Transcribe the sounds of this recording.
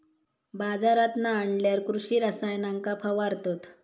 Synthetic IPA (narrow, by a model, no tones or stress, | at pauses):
bad͡zaɾat̪naːɳɖljaɾkɾuɕiːɾasajnaŋkapʰaʋaɾt̪ot̪